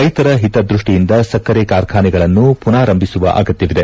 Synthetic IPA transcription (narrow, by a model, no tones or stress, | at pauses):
ɐjt̪ɐɾɐɦit̪ɐd̪ɾuʂʈijind̪ɐsɐkːɐɾekaːɾkʰaːniɡɐɭɐnːupunaːɾɐmbʱisuʋɐ̰ʔa̰ːɡɐt̪jɐʋid̪e